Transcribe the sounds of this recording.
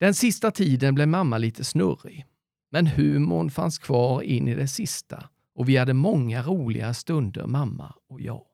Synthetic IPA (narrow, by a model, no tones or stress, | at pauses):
d̪̥ɛnsɪst̪at̪ʰiːd̪ənblɛmamːaliːt̪ʰəsnɵrɪ | mɛnhʉ̟ːmʊɳfanskʰv̥ɑːɾɪnːʔɪd̪ɛsɪst̪ʰa̰ | ʔɔvɪhad̪ːəmɔŋːaɾuːlɪ̰ɡast̪ɵnd̪ə̰ɾmamːa̰ɔjɑ̰ː